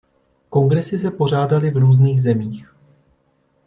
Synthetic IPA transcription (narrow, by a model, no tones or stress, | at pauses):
ko̞ŋɡɾɛsɪs̬ɛpo̞r̝aːdalɪvɾuːzniːxzɛmiːx